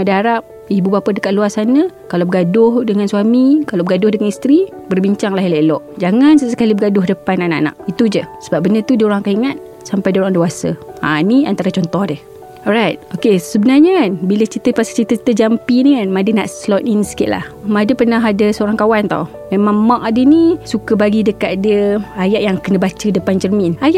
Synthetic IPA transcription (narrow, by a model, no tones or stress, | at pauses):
madaaɾap̚ | ibubapədəkaʔ̪̚luasanəkalabəɡadʊhdəŋanswamikalawbəɡadʊhdəŋanist̪ɾibərbiɲt͡ʃaŋlaɦileʔlɔʔd͡ʒaŋansəsə̥kalibəɡadʊɦdəpananaʔna̰ʔ̚it̪ud͡ʒəsəbap̚bənət̪udioɾaŋkaiŋat̪̚ | sampajdioɾaŋdeasəa̰niant̪aɾat͡ʃɔnt̪ɔhdəh | ɔɾajt̪̚okesəbənarɲəkanbilət͡ʃit̪əpasḁt͡ʃit̪ət̪əd͡ʒampinikanmadəna̰ʔslɔt̪insə̥kɪʔ̪la̰hmadəpərnaɦadəsəoɾaŋkawant̪a̰w | memaŋmaʔ̚adənisukəbaɡidəkat̪dəajaʔjaŋkənəbat͡ʃədəpand͡ʒərminajaʔ